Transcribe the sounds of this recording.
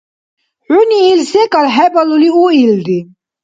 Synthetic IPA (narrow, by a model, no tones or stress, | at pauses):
ʕuniːlsɛkʼalɦɛbɔluliuild̪i